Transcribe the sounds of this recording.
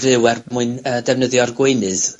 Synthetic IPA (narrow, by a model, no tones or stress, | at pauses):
vɨwɛrmuɨnəːdɛvnəðjɔrɡweɨnɨð